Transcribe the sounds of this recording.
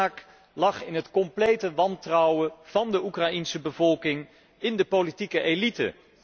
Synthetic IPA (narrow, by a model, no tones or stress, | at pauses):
aːk | lɑχɪnɦətkɔmplejtəʋɑntrɑwəv̥ɑndəukrɑinsəbəvɔlˠkɪŋ | ɪndəpolitikəʔelitə̰